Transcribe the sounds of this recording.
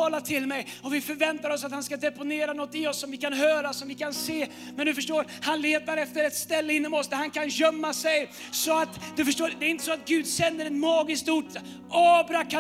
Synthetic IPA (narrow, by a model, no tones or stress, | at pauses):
ɑːlat̪ʰɪlmɛj | ɔvɪfœɾvɛnt̪aɾɔsat̪hanskad̪ɛpʊneːɾanɔt̪ːɪɔsːɔmvɪkanɦœːɾasɔmvɪkʰanseː | mɛnd̪ɵfœʂʈoːɾ | hanleːt̪aɾɛft̪əɾɛt̪st̪ɛlːəɪnːɔmɔsd̪æɾhankʰanʑœmːasɛj | sɔat̪d̪ɵfœʂʈoːd̪ɛɾɪnt̪əsɔat̪̚ɡʉ̟ːd̪sɛnːəɾɛt̪mɑːɡɪst̪uʈ | ɑːbɾaka